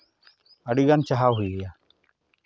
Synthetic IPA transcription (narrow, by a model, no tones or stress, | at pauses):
əɽiɡant͡ʃaɦawɦujɡɛja